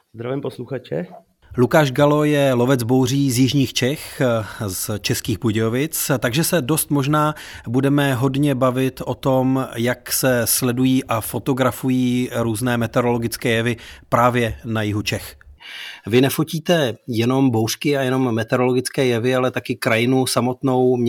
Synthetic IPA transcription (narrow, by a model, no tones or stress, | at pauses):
zd̪ɾavɪmposluxat͡ʃɛ | lukaːʒɡalo̞jɛlo̞vɛd͡zbo̞wriːzjɪʒɲiːxt͡ʃɛxzt͡ʃɛskiːxbuɟɛovɪt͡st̪aɡʒɛsɛdo̞st̪mo̞ʒnaːbudɛmɛɦo̞dɲɛbavɪt̪ʔo̞t̪o̞mjaksɛslɛdujiːʔafo̞t̪o̞ɡɾafujiːɾuːznɛːmɛt̪ɛɾo̞lo̞ɡɪt͡skɛːjɛvɪpɾaːvjɛnajɪɦut͡ʃɛx | vɪnɛfociːt̪ɛjɛno̞mbowskɪajɛno̞mːɛt̪ɛɾo̞lo̞ɡɪt͡skɛːjɛvɪalɛt̪akɪkɾajɪnusamo̞t̪no̞wm